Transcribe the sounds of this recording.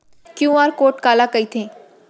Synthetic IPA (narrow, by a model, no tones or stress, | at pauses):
kjũaːɾkoːʈkaːlakəit̪ʰẽː